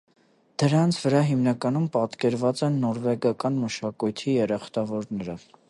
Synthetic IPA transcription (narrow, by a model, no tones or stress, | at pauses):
d̪̥əɾɑnt͡sʰvəɾɑɦimnɑkɑnumpɑt̪kɛɾvɑt͡sɛnːɔɾvɛɡɑkɑnməʃɑkujt̪ʰijɛɾɑχt̪ɑvɔɾnɛɾə